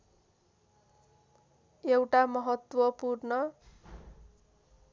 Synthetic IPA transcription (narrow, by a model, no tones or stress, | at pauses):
ewʈamʌɦʌt̪wʌpurnʌ